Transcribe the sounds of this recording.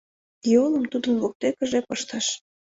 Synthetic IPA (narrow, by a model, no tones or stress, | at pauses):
jolˠəmt̪ud̪ənβok̚t̪ekə̆ʒepəʃt̪ɑʃ